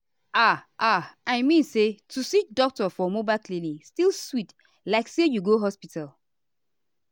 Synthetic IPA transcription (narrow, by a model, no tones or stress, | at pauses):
aʔaaɪmĩnsetʰusit͡ʃ̚dɔk̚tɔfɔmobaɪlklĩnĩŋstilˠswit | laɪksejuɡoɦɔspital